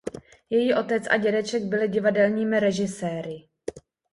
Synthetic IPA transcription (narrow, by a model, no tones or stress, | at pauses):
jɛjiːʔo̞t̪ɛt͡sʔa̰ɟɛdɛt͡ʃɛɡ̚bɪlɪɟɪvadɛlɲiːmɪɾɛʒɪsɛːɾɪ